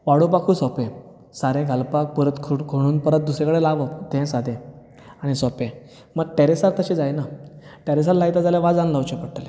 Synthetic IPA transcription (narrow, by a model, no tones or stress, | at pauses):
ʋaɽũpakʰũːsɔpẽ | saɾẽɡʱalpak̚pəɾət̪kʰkʰoɽ̃uːnpəɾət̪̚d̪usɾẽkəɽelaʋət̪ɛ̃sad̪ʱẽ | aɽ̃isɔpẽ | məɡ̚ʈeɾesaɾt̪əɕĩd͡zajnaʈeɾes̬aɾlajt̪ad͡zaljãʋad͡zãnləʋt͡ɕẽpəɽʈ̪əle